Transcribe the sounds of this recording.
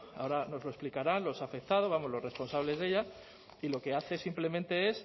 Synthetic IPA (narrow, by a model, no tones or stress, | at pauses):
a̰o̞ɾano̞zlo̞e̞splikaɾanlo̞safe̞k̚t̪að̞o̞zβamo̞zlo̞re̞spo̞nsaβle̞zðe̞ʎa | ilo̞ke̞aθe̞simple̞ment̪e̞e̞s